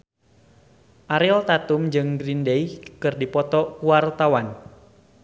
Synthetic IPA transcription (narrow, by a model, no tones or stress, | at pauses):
ʔaɾɪlt̪at̪ʊmd͡ʒɨŋɡɾindejkɨrdipɔt̪ɔkuwart̪awan